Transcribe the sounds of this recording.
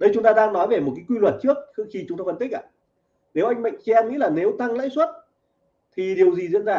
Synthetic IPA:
ɗə˨˧jt͡ɕʊ˨˦ŋ͡mt̪aː˧ɗaː˧ŋnɔ˨˦jve˨˩mo˨˩t̚kaː˨˦jkwi˧lwə˨˩t̚t͡ɕɨ˦˥ək̚xxi˧t͡ɕʊ˨˦ŋ͡mt̪aː˧fə˧nt̪i˦˥k̚ʔa̰ː˧˩ | ne˨˦wʔa˧jŋ̟ma̰˧˨jŋ̟t͡ɕɛ˧ŋḭ˧˥laː˨˩ne˨˦wt̪a˧ŋlə̰ː˧˥jswə˦˥t̚ | t̪ʰi˨˩ɗi˨˩əwzi˨˩zḭ˧˨ənzaː˧˩

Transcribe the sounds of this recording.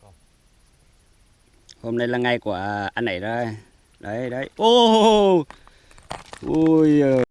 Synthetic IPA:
ho˧mna˧jlaː˨˩ŋa˨˩jku˧˩əʔa˧nʔa˨˧˩jzəː˧ | ɗə˧˩jɗə˧˩jʔo˧˩ | ʔo˧˩j

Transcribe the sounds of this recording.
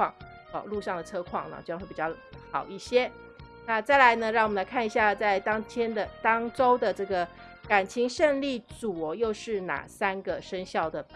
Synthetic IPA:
ŋ | ɔ˨˩lu˥˧ʂɑ˥˩ŋd̪ə˩t͡sʰɤ˥kʰwɑ̰˨˩ŋnə̰˨t͡ɕo˥˧xwpi˨˩t͡ɕjɑ˥˩ | xɑ̰˨˩ʊi˥˩ɕjɛ˥ | na˥˧t͡sa˥˩ɪla˧˥ɪnə˧ɻɑ˥˩ŋwɔ˨mə˦nla˧ɪkʰa˥˩ni˧˩ɕja˥˧t͡sa˥˩ɪt̪ɑ˥ŋt̪ʰjɛ˥nd̪ə˨t̪ɑ˥ŋʈ͡ʂo˥ʊd̪ə˨ʈ͡ʂɤ˥˩ɡə˩ | ka˨˩nt͡ɕʰi˧˥ŋʂə˥˧ŋli˥˩t͡su˨˩ɔ˦jo˥˧ʊʂɻ̩˥˩na̰˨˩sa˥nɡə˨ʂə˥nɕjɑ˥˩ʊd̪ə˩

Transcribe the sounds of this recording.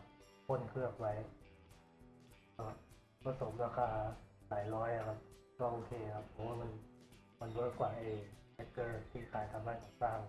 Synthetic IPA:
kʰo˧˥˨nkʰɯ˥˩əp̚wa˨˦˥j | a˧˩a˦˩ | pʰa˧so˨˩˦mɾaː˧kʰaː˧˩laː˩˦jlɔː˦˥jʔa˨˧˩kʰa˦˥p̚ | waː˧˩ʔoː˧kʰeː˧a˨˩kʰa˦˥pʰːo˨˩˦waː˧˩ma˧n | ma˧˨nbo˧˦˥kwaː˨˩ʔeː˧a˦˧˩kɤː˧˩t̪ʰiː˥˩kʰaː˨˩˦jt̪ʰa˨˧˦mɾaː˧˩t͡ɕa˨˩saː˧˩ŋ

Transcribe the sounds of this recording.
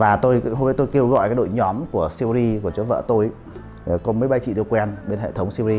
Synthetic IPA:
vaː˨˩t̪o˧jɦo˧vəː˨˦jt̪o˧jke˧wɣɔ̰˧˨jkaː˨˦jɗo̰˧˨jɲɔ˨˦mku˧˩əsi˧wzi˧ku˧˩ət͡ɕo˨˦və̰ː˧˨t̪o˧j | kɔ˨˦məː˨˦jɓa˧jt͡ɕḭ˧˨t̪ɨ˧əkwɛ˧nɓe˧nɦḛ˧˨t̪ʰə˨˦wŋ͡msi˧wzi˧

